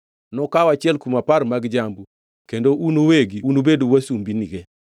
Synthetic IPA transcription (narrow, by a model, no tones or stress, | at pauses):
nɔkawat͡ʃɪɛlkumaparmaɡd͡ʒambu | kendounoweɡiunobedowasumbiniɡe